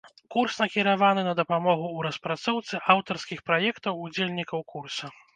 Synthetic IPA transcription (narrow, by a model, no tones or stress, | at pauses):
kursnɐkʲiɾavanɨnɐd̪ɐpamɔɣuːɾɐspɾat̪sɔwt̪sɨʔawt̪ɐrskʲixpɾajɛkt̪ɐwud͡zʲelʲnʲikɐwkursɐ